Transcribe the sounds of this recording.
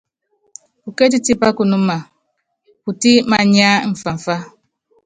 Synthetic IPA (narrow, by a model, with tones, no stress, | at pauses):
u˨ke˦t̬i˦ti˦pa˦ku˨nu˦ma˨ | ku˨ti˦ma˨ɲ˦a˦ɱ̩˨fa˨ɱ̩˨fa˦